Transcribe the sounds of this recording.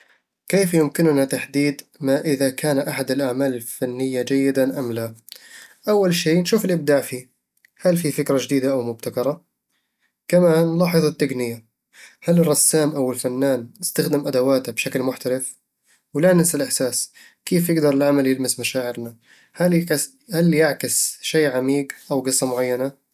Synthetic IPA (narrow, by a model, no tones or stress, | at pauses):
keːfjʊmkɪnnat̪aħd̪iːd̪ | maʔɪðakaːnʔaħad̪ɪlʔaʕmaːlɪlfanːɪjːad͡ʒajːɪd̪aʔamla | ʔawːalʃiːnʃuːfɪlʔɪb̚d̪aːʕfiː | halfifɪkɾad͡ʒd̪iːd̪aʔawmʊb̚t̪akɑɾˤɑ | kamaːnlɑːħɨðˤat̪ːaɡnɪja | halrˤːɑsːaːmʔawɪlfanːaːnɪst̪axd̪ɪmʔad̪awaːt̪abʃaklmʊħt̪alɪf | wlanɪsalʔɪħsaːs | keːfjɪɡd̪ɑɾˤɪlʕamaljɪlmɪsmaʃaːʕɪɾna | halkɪs | haljɪʕkɪsʃeːʕamiːɡʔawɡɨsˤːɑmʊʕajːana